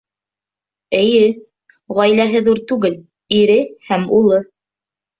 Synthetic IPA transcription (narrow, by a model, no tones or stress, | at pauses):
ɘ̆jɘ | ʁɒjlæɦɘðuɾt̪ʉɡɘl | iɾɘhæmulˠɤ